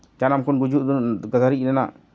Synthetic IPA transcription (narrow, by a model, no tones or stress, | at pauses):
t͡ʃanamkunɡud͡ʒuduɡazaɾiinana̰